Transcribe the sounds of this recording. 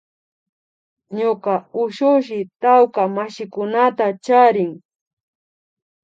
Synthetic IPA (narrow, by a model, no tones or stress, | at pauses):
ɲokaʊʃʊʃ̬ɪt̪awkamaʃɪkʊnat̪at͡ʃaɾɪŋ